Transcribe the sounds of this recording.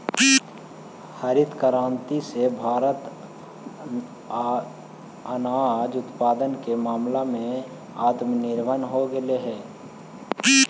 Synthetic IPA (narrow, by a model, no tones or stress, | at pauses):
həɾɪt̪kəɾãːnt̪isebʱaːɾət̪ | ənaːaːd͡ʒʊt̪paːd̪ənkemaːmlamẽ | aːt̪mnɪɾbənɦoɡəleɦɛː